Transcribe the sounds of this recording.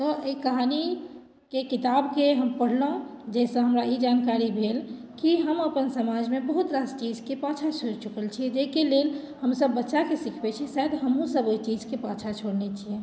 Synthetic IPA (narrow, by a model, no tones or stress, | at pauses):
t̪ɔʔəikəɦani | kekit̪abkeɦəmpəɽ̤ləɦũd͡ʒesə̃ɦəmɾaid͡ʒankaɾibʱelkiɦəməpənsəmad͡ʒʱmebəɦut̪ɾast͡ʃid͡ʒkepãt͡ʃʰat͡ʃʰoɾt͡ʃukəlt͡ʃʰiɛd͡ʒekelel | həmsəbːətːʃakesikʰbɛt͡ʃʰisad̪ɦəmũsəbojt͡ʃid͡ʒkepãt͡ʃʰat͡ʃʰoɽnet͡ʃʰijɛ